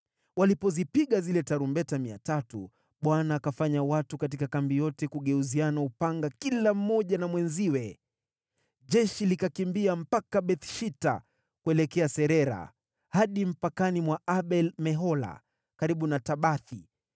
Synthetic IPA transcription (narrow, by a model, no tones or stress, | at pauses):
walipɔzipiɠazilɛtaɾumbɛtamia̰tatṵ | ɓwanaːkafaɲawatukat̬ikakambijɔtɛkuɠɛuzianaupaŋɡakilam̩mɔʄanamwɛnziwɛ | ʄɛʃilikakimbiam̩pakaɓɛθʃita̰ | kuɛlɛkɛasɛɾɛɾa̰ | haɗim̩pakanimwaaɓɛlmɛɦɔla̰ | kaɾiɓunataɓaθi